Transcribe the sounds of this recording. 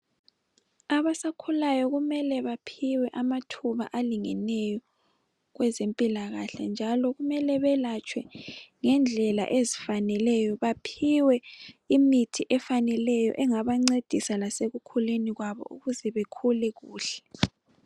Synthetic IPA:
aβasakʰulajɔɣumɛlɛβapʰiwɛʔamatʰuβa̰ʔaliŋɛnɛjɔ | ɣwɛzempʼilaɣaɬa̰nd͡ʒʱalɔɣumɛlɛβɛlat͡ʃʰʼwɛŋɛnd͡ɮʱɛla̰ʔezifanɛlɛjɔβapʰiwɛimitʰiʔɛfanɛlɛjɔ̰ʔɛŋaβaŋ͡ǀed̥ʱisalaseɣukʰuleniɣwaβɔ̰ṵɣuzɛβekʰulɛɣuːɬɛ̥

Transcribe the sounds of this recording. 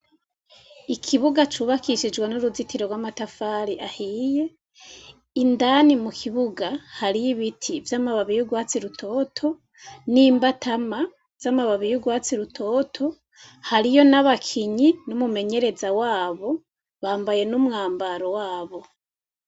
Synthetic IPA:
ikʰiβuɡat͡ʃuːβakʰiʃid͡ʒɡwanuɾuzitiɾoɡwamatafaɾiʔahiːje̞ | indanimukʰiβuɡahaɾijiβitʰivjamaβaβijuɡwaːt͡siɾutʰo̞ːtʰo̞ | niːmbatama | z̥amaβaβijuɡwaːt͡siɾutʰo̞ːtʰo̞ | haɾijo̞naβakʰiɲinumume̞ɲe̞ɾe̞zawaːβo̞ | βaːmbaje̞numŋaːmbaɾowaːβo̞

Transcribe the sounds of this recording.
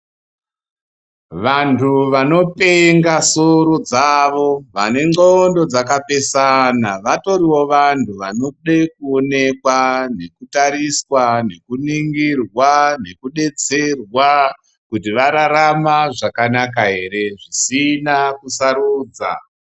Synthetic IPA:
ʋantʰuʋano̞pe̞ŋɡasoɾod͡zaʋo̞ʋane̞ŋ͡ǃondo̞d͡zakape̞sanaʋato̞ɾiwo̞ʋantʰuʋanoɗek̚uone̞kwane̞kutaɾiswane̞kuniŋɡirwane̞kuɗe̞t͡se̞rwa | kutiʋaɾaɾamaʐakanak̬aɦe̞ɾe̞ʐisinakusaɾuːd͡za̰

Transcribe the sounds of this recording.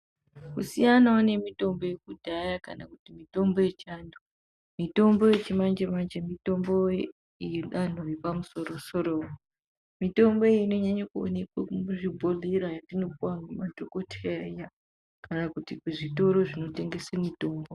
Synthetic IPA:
kusijanaune̞mito̞mbo̞je̞kudʱajaka̰nakutimito̞mbo̞je̞t͡ʃaːndo | mito̞mbo̞je̞t͡ʃimand͡ʒemand͡ʒemito̞mbo | jeɗan̤ojepamuso̞roso̞ɾo | mito̞mbo̞ino̞ɲaɲakuo̰nekwaʐibʱo̞leɾajatino̞puwamumat͡ʃoko̞tʰeaija | kanakutikuʐito̞ɾo̞ʐino̞te̞ŋɡe̞semito̞ːmbo

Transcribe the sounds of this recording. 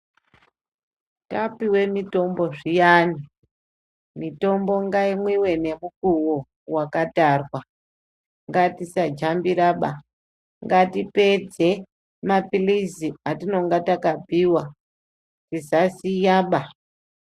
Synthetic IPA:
tapiwe̞mito̞mbo̞ʐijani | mito̞mbo̞ŋɡaimwiwe̞ne̞mukuwo | wakatarwa | ŋɡatisad͡ʒambiɾaɓa | ŋɡatipe̞d͡ze̞ | mapiliziatino̞ŋɡatakabiːwa | tizasijaːɓa

